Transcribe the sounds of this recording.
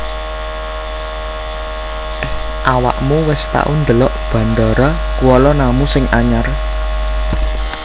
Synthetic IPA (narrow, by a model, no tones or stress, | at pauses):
ʔawa̰ʔmuwɪst̪a̰ʔund̪əlɔʔb̥ä̤nd̪ɔɾɔkuwɔlɔnamusɪŋʔaɲar